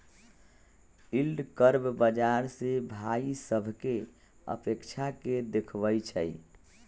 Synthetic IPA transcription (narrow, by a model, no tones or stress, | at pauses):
ilɖkəɾbbəd͡ʒaɾsebʱaisəbʱke | ə̰pekt͡ʃʰaked̪ekʰbəjt͡ʃʰəj